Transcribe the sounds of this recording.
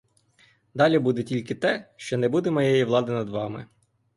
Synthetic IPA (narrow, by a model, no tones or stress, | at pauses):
d̪ɑlʲibud̪etʲilʲkɪt̪ɛʃt͡ʃɔnɛbud̪emɔjɛjiʋlˠɑd̪ɪnɐd̪ʋɑmɪ̰